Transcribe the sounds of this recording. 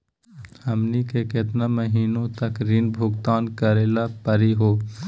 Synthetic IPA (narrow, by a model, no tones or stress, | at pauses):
həmnikeket̪naməɦiːnõt̪əkɾinbʱʊɡt̪aːnkəɾeːlapəɾiɦoː